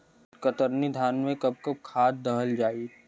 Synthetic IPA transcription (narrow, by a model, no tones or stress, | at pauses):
kət̪əɾnid̪ʱaːnmẽkɐb̚kəb̚kʰaːt̪̚d̪əɦəld͡ʒaːi